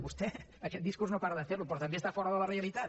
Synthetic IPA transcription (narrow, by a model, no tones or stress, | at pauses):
βust̪ɛəkɛt̪̚d̪iskuɾznopaɾəðəfeɾlupɾɔt̪əmbest̪afɔɾəðələreəlit̪at̪